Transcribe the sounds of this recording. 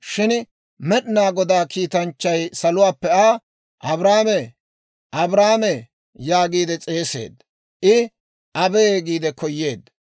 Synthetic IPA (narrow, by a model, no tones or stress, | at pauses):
ʃɪn | mɛɗnaːɡɔd̪aːkiːt̪ɐnt͡ʃːɐjsɐlʊwaːpːɛaː | ʔɐbɾaːme | ʔɐbɾaːme | jaːɡiːd̪ɛt͡sʼe̞ːse̞̰ːd̪ | ʔɪ | ɐbeːɡiːd̪ɛkʰɔjːeːd̪